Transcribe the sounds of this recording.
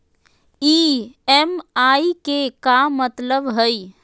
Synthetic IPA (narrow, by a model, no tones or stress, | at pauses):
iːɛmaːikekamət̪ləbɦəi